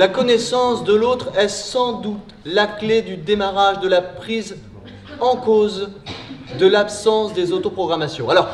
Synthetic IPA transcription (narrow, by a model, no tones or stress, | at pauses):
lakɔnɛsɑ̃sd̪əlot̪χɛsɑ̃d̪ut̪ | lakled̪yd̪emaʁaʒd̪əlapχiz | ɑ̃koz | d̪əlapsɑ̃sd̪ezot̪opχɔɡʁamasjɔ̃alɔʁ